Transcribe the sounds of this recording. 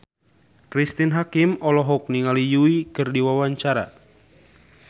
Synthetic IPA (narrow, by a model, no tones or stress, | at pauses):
kɾist̪inɦakimɔlɔɦɔk̚niŋalijuikɨrdiwawaɲt͡ʃaɾa̰